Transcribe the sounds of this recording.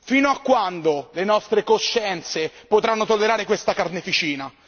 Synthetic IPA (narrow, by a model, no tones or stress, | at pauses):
fiːnoakːwand̪olenɔst̪ɾekoʃːɛnt̪sepot̪ɾanːot̪olːeɾaːɾekwest̪akarnefit͡ʃiːna